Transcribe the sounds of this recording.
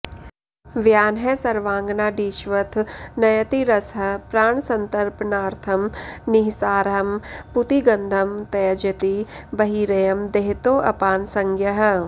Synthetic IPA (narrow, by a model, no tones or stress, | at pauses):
ʋjaːnɦɛsɐɾʋãːŋɡnaːɖiːʃʋɐt̪ʰnɐjɐt̪iɾɐsɐpɾaːɳsɐ̃nt̪ɐɾpnaːɾt̪ʰɐmniɦsaːɾɦɐmput̪iɡɐ̃nd̪ʱɐmt̪ɐjɐd͡ʒɐt̪ibɐɦiːɾɐjɐmd̪eɦt̪oːʔɐpaːnsɐ̃ŋɡʱjɐɦ̆